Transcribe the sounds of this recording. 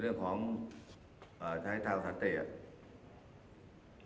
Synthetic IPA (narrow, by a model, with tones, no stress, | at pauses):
ɾɯ˥˩əŋkʰɔː˩˦ŋ | ʔaː˨˩t̪ʰaː˧˥˩t̪ʰaː˧saː˨˦˥nt̪i˨˩